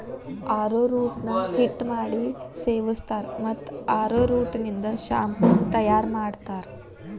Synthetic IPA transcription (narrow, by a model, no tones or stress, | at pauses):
aːɾoɾuːʈnɐhiʈːmaːɽiseːʋust̪aːɾmɐt̪ːaːɾoːɾuːʈnind̪ɐʃa̰ːmpɐnːut̪ɐjaːɾmaːɽt̪aːɾ